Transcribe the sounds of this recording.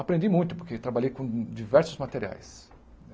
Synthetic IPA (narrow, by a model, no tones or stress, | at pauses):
apɾẽnd͡ʒ̪imũj̃t̪ʊ̥poɾket̪ɾabaʎejkõd͡ʒivɛɾsʊzmat̪eɾia̰js